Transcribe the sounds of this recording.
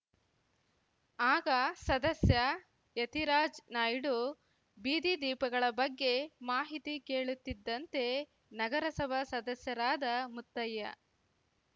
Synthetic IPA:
aːɡɐsɐd̪ɐsjɐ | jet̪iɾaːd͡ʒnaːjɖu | biːd̪id̪iːpɐɡɐɭɐbɐɡːe̞maːɦit̪ike̞ːɭut̪ːid̪ːɐnt̪e̞ | nɐɡɐɾɐsɐbʱɐsɐd̪ɐsjɐɾaːd̪ɐmut̪ːɐjːɐ̰

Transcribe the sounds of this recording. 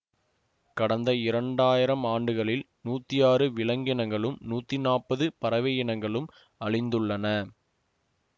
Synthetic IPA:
kɐɽɐnd̪ɐɪɾɐɳɖaːjɪɾɐmaːɳɖɯɣɐɭɪl | nuːt̪ːɪjaːɾɯʋɪɭɐŋɡɪnɐŋɡɐɭɯmnuːt̪ːinaːpɐðɯpɐɾɐʋeːjɐnɐŋɡɐɭɯm | ɐɻɪnd̪ɯɭːɐnɐ

